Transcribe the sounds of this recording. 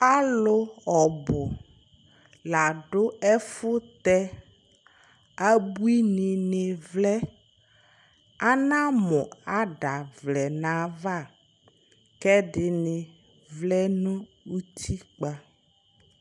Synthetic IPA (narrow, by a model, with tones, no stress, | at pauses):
a˦lʊ˦ɔ˨bʊ˨ | la˨ɖʊ˦ɛ˦fʊ˦t̪ɛ˦ | a˦bu˦i˦nɪ̃˨nɪ˨vlɛ˦ | a˦nã˦mʊ̃˨a˦ɖa˨vlɛ˨nã˨va˦˨ | kɛ˦ɖɪ˨nɪ˨ | vlɛ˦nʊ̃˦ | wu˦t̪ʰi˦k͡pa˦